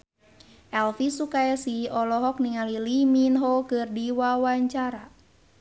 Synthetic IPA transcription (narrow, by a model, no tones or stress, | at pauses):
ʔɛlfisukajasiɔlɔɦɔk̚niŋaliliminɦokɨrdiwawaɲt͡ʃaɾa